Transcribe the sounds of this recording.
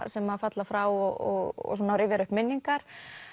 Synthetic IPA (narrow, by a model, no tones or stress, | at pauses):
sɛmafat̪lafɾawɔɔɣɔ̰suːnaɾɪːvjaɾʏhpmɪnːiŋkaɾ̥